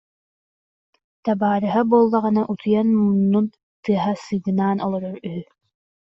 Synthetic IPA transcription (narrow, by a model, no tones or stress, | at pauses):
t̪abaːɾɯɦabuɔlˠːaʁɯnaʔut̪ʰujanmunːun | t̪ɯɐɦasɯɡɯnaːnɔlˠɔɾɔɾyɦy